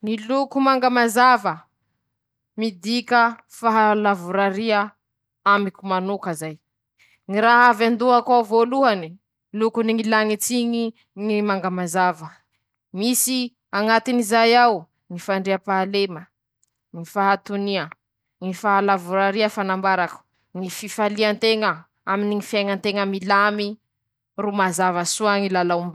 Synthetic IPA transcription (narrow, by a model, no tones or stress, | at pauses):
nilukumaŋɡamazavə | mid̪ikə | faɦalavuɾaɾiə | amikumanukəzaj | ŋiɾaɦavand̪uakwavoluani | lukuniŋilaŋit͡siŋi | ŋimaŋɡamazavə | misi | aŋat̪inizajaw | ŋifaɳɖ͡ʐeapaːlemə | ŋifaɦat̪uniə | ŋifaalavuɾaɾiafanambaɾaku̥ | ŋififaliant̪eŋə | aminiŋifiajŋənt̪eŋəmilami | rumazavasuaŋilalaumb